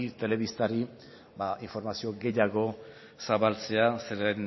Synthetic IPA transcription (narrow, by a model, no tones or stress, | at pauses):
t̪e̞le̞β̞ist̪aɾi | baʔiɱfo̞ɾmasio̞ɡe̞jaɣo̞ | saβalt͡se̞aseɾen